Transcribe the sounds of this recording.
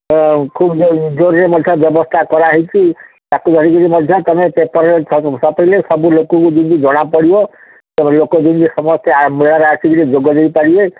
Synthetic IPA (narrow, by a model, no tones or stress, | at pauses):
kʰubd͡ʒoɾɾemɔd̪ʱjɔbjɔbɔst̪ʰakɔɾaɦɔjt͡ʃʰi | t̪akud̪ʱɔɾiɡɔɾimɔd̪ʱjɔt̪ɔmepepɔɾɾeɔsapɔɾilesɔbulokɔkud̪ind̪id͡ʒɔɽ̃apɔɽibɔ | t̪ɔmlokɔd̪ind̪isɔmɔst̪eamiɾaɾaɾsʰiɡɔɾid͡ʒoɡɔd̪ejpaɾie